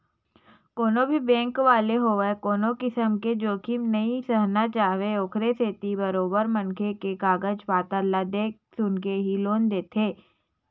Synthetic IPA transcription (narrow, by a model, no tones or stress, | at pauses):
koːnõbʱibɛ̃ːŋkʋaːleɦoːʋekoːnõkɪsəmked͡ʒoːkinɐisəɦnat͡ʃaːɦʋeoːkʰɾeseːt̪ibɐɾoːbəɾmɐ̃nkʰekekaːɡəd͡ʒpaːt̪əɾlad̪eː | sʊnkeɦiloːnd̪eːt̪ʰeː